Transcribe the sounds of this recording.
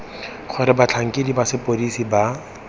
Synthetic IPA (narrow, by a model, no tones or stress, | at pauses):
χʰɔɾɛbat͡ɬʰaŋ̩kidibasɪpoɾisiba